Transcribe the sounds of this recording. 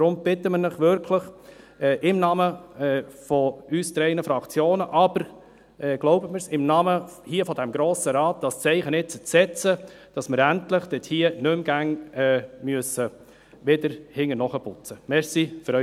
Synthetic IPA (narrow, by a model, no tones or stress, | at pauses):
ɾʊmb̥ɪtəmənɪχʋʏɾkʰləχ | ʔɪmnɑːmə | fɔyst̪ɾɛɪnəfɾɑkt͡sjoːnəʔɑb̥əɾ | ɛɡ̥loʊbəməɾsɪmnɑːməhiəfɔd̪ɛmɡɾoːsəɾɑːt̚d̥ɑst͡sɛɪχənɪt̚t͡sət͡sɛt͡sə | d̥ɑsməɾæntlɪχd̥ɛthiənʏmɡ̥æŋɛmyəsə | ʋedəɾhɪŋənɔχəpʊt͡səmɛɾsifʏɾœ